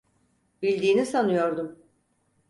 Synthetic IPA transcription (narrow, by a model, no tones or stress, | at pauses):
bilʲd̪iːnisanɯjo̞ɾd̪um